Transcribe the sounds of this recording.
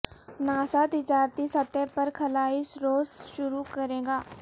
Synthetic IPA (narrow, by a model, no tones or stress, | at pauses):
naːsat̪ɪt͡ʃaːɾt̪isɐt̪ːɛpɐɾkʰɐlaːɪsɾoːzʃʊɾukɐɾẽːɡaː